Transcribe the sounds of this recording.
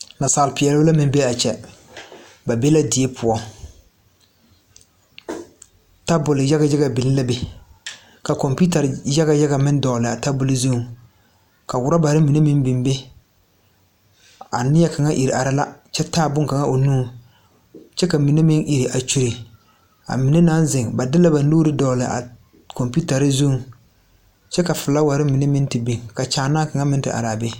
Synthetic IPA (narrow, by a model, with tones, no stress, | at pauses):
na˨saː˨lɪ˨pɪ˨ɛ˨lʊ˦la˦mɪ˦be˦a˨t͡ʃɛ˨ | ba˨be˦la˦dɪ˨e˦pʰʊ˨ɔ˦ | ta˦bʊ˨lɪ˨ja˦ɡa˨ja˦ɣa˨bɪ˨nɪ˦la˦bɪ˨ | ka˨kɔ˨mpi˦ta˨ɾja˦ɣa˨ja˦ɡa˨mɪ˦n˦dɔː˨lɪ˨a˨ta˦bʊ˦lɪ˦zu˦˨ | ka˨wʊ˨ɾa˦ba˨ɾɪ˦mi˨ne˦mɪ˦nbɪ˨mbe˦ | a̰˨nɪ˦ɛ˦ka˨ŋa˦ʔi˨ɾi˨ʔa˨ɾa˦la̰˦t͡ʃɛ˦taː˦˨bʊ˦ŋka˨ŋa˦ʔo˨nuː˦ | t͡ʃɛ˦ka˨mi˨ne˦mɪ˦nʔi˨ɾi˨ʔa˨t͡ʃu˨ɾi˨ | a̰˨mi˨ne˦na˦n˦zɪ˨ŋba˨dɪ˦la˦ba˨n˦oː˦ɾɪ˦dɔː˨lɪ˨ʔa̰˨ | kɔ˨mpi˦ta˨ɾɪ˦zu˦˨ | t͡ʃɛ˦ka˨fʊ˨la˦wa˨ɾɪ˦mɪ˨ne˦mɪ˦ntɪ˨bi˨ŋka˨t͡ʃaː˨naː˦ka˨ŋa˦mɪ˦n˦tɪ̰˨ʔa̰˨ɾa˨bɛ˦